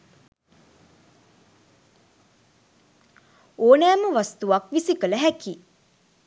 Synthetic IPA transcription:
oːnæːməʋast̪uʋakʋisikələɦæki

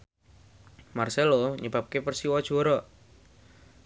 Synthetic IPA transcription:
marsɛloɲəbap̚kepərsiwad̥d͡ʒ̥oɾɔ

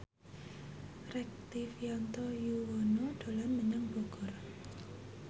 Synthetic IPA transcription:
rɛk̚t̪ifjant̪ojuwɔnoɖ̥o̤lanməɲaŋb̥ɔɡ̥ɔr

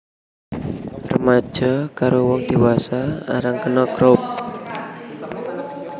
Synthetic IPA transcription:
rəmḁʒ̥akaɾowɔŋd̪̥iwasaa̰ɾaŋkənɔkɾop̚

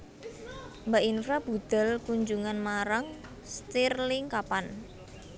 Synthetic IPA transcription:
mbaʔinfɾab̥ṳd̪̥ɛ̤lkuɲd͡ʒuŋanmaɾaŋ | st̪irlɪŋkapan

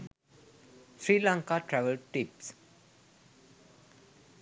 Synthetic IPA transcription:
fɾiːlãːŋkaʈɾɛʋəlɖ̚ʈips

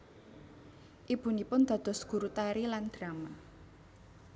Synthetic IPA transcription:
ʔib̥ṳnipʊnd̪̥ä̤d̪̥ɔ̤sɡ̥ṳɾut̪aɾiland̪̥ɾama

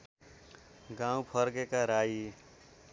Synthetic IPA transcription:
ɡãũpʰʌɾɡekaɾai

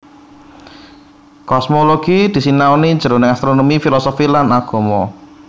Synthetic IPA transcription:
kɔsmoloɡ̥id̪̥i̤sinaoniɲd͡ʒ̥əɾonɪŋast̪ɾonomifilɔsofilanaɡ̥o̤mɔ

